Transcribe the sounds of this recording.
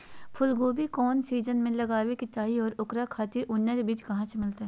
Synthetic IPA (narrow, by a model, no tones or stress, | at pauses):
pʰʊlɡoːbikɔːnsiːd͡ʒənmẽlɐɡaːwekɪt͡ʃaːiɔːɾʊkɾakʰaːt̪iʔʊnːebiːt͡ʃkɐɦãt͡ʃemɪlt̪ɦɛː